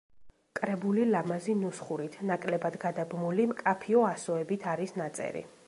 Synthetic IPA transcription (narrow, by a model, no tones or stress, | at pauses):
kʼɾɛbulilamazinusχuɾit̪ʰnakʼlɛbad̪ɡad̪abmulimkʼapʰiɔasɔɛbit̪ʰaɾisnat̪sʼɛ̰ɾḭ